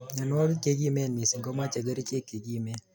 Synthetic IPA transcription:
ɲa˨nwɔ˦ɡke˦ɡi˦mɛ˦˨ni˨si˨ŋɡɔ˦ma˦t͡ʃa˨ɡə˦ɾi˦t͡ʃe˦kːe˨ɡi˦mɛ˦

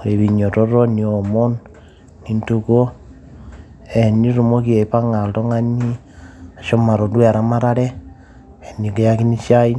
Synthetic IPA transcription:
ɾe˨βi˨ɲo˨ɾo˦ɾo˦ni˨o˨mo˦n | ni˨ntu˦ko˦ | e˨ni˦ɾu˨mo˦ki˦e˨i˨pa˦ŋa˨lto˦ŋa˦ɲi˦ | a˨ʃo˦ma˨ɾo˨dwe˦a˨ɾa˦ma˦ɾa˦ɾe˦ | e˨ni˨ke˦ja˦ki˦ni˦ʃa˦i˦

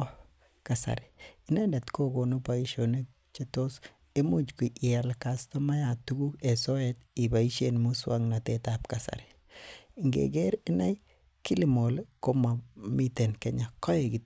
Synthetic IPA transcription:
kasa̰˨ɾɪinɛ˦nda˨tko˦ko˨nu˦pa˨i˦ʃo˨ne˦ | t͡ʃe˦to˦s | e˦mu˦t͡ʃki˨ʔɪ˨a˨lkasto˦ma˦ja˨tu˦ɡu˦ke˨so˦eti˨ba˨i˦ʃenmu˦swa̰˦ŋnatetap̚kasa̰˨ɾɪ̥ | ŋɡḛ˨ɡe˦ɾɪ˦na˦j | ki˦limo˨lko˦ma˨mi˦te˨nkɛ˦ɲa˨kɔ˦jeɡi˨

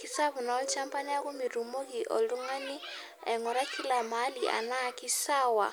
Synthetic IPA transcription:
ki˦sa˦βu˨na˨˦lt͡ʃa˦mpa˦ni˦a˦ku˦mi˨ɾu˨mo˦ki˨ʔɔ̰˨lu˦ŋa˦ni˦ | ɛ˨ŋɔ˨ɾa˦ki˦la˨ma˨˦li˨ʔa̰˨na˦˨ki˦sa˦wa̰˨

